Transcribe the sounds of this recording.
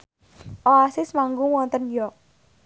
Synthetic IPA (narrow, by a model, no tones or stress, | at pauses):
ʔoasɪsmaŋɡuwɔnt̪ənjɔk̚